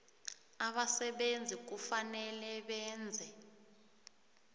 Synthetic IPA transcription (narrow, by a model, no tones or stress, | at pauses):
aɓasɛɓend͡zʱik̬ufanɛlɛɓɛːnd͡zʱɛ